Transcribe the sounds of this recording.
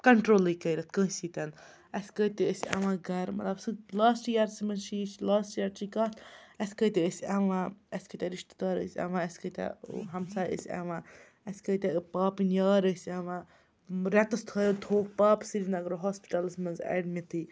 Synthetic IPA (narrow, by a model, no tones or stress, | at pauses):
kɐɳʈɾoːlikəjɾɐt̪kə̃ːsit̪ɐn | ɐsʲkət̪iəsʲɐ̰ʋãɡɐɾmɐ̰t̪lɐbsɨlaːsʈjaɾsimɐnʃiːt͡ʃlaːsʈjaɾt͡ʃikɐːt̪ʰɐsʲkəjt̪ɛəsʲɐʋãɐsʲkət̪ʲɛɾiʃt̪i̥d̪aːɾə̰sʲɛ̰ʋãɐsʲkət̪ɛ̰ɦɐmsaːə̰sʲɐ̰ʋã | ɐsʲkəjt̪ɛpaːpinjaːɾəsɐʋã | ɾɛt̪ɐst̪ʰəːjot̪ʰoːk̚paːpsiɾinɐɡɾoɦɔːspi̥ʈɐlsmɐnzɛ̰ɖmʲit̪ʰɨ